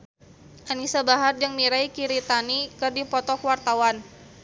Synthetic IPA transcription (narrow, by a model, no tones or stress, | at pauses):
ʔanisabaɦard͡ʒəŋmiɾajkiɾit̪anikərdipɔt̪ɔkwart̪awan